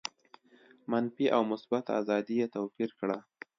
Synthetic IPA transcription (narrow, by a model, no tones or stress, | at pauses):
manfiʔawmʊsbat̪a̰zɑd̪ijet̪awfiɾkɽa